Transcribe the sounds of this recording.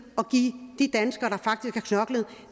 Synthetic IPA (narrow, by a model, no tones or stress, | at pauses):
ɒ̽ɡ̥ḭːd̥id̥ænsɡ̥ɐɾ̥ɑ̈fɑ̈ɡ̥d̥isɡ̥ækʰnɒ̽ɡ̥ləð̩ˠ